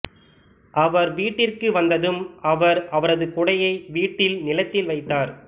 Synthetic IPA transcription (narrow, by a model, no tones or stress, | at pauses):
ʔɐʋɐɾʋiːʈːɪrkɯʋɐnd̪ɐðɯmɐʋɐɾʔɐʋɐɾɐðɯkʊɽɐjɐɪʋiːʈːɪlnɪlɐt̪ːɪlʋɐɪt̪ːaːɾ